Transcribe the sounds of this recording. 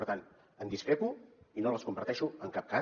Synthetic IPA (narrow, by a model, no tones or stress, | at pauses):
ɾt̪an | ənd̪iskɾepuinoləskumbəɾt̪ɛʃuəŋkap̚ka